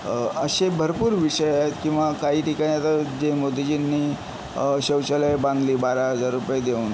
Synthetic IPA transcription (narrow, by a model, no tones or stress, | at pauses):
əɕebʱəɾpuːɾʋiʂəjaet̪kĩw̃ʋakaɦiːʈikaɽ̃iat̪əɾd͡ʑemod̪id͡ʑinːiː | ɕəwɕəlabãnd̪liːbaɾaɦəd͡zaɾːupjed̪euːn